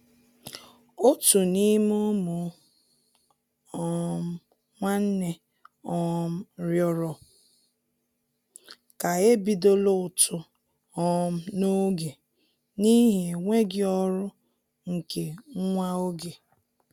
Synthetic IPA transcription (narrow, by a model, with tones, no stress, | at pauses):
o˦tu˨ni˦m˦o˦mʊ˨˦ | ɔ˦m̩˦ | ŋʷa˦n̩˦ne˦ | ɔ˦m̩˦ɾjɔ˦ɾɔ˨ | ka˨e˦bi˨do˦lo˦ʊ˨tʰʊ˨ | ɔ˦m̩˦no˦ɡe˨ | ni˦ɦi˨ŋʷe˦ɡɪ˦ɔ˦ɾʊ˦ | ŋ̩˨ke˨ŋ̩˦ŋʷa˦o˦ɡe˨